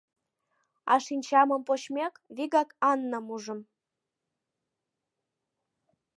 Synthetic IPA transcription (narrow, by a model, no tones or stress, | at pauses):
ɑ̰ʃinʲt͡ɕɑməmpot͡ɕmʲekβiɣɑkɑnːəmuʒə̆m